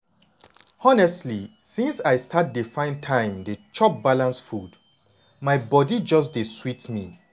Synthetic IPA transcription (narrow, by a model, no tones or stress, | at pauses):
ɔnɛstlisĩnsaɪstʰat̚difãɪ̃ntʰãɪ̃mdet͡ʃɔp̚balãnsfud | maɪbɔdid͡ʒɔs̬deswitmi